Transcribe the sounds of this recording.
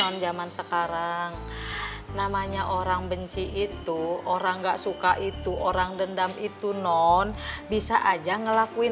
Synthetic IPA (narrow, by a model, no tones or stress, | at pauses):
ɔnd͡ʒamansəkaɾaŋ | namaɲaʔoɾaŋbəɲt͡ʃiʔit̪uoɾaŋɡaʔsukaʔit̪uʔoɾaŋdəndamit̪unɔnbisaʔad͡ʒaŋəlakui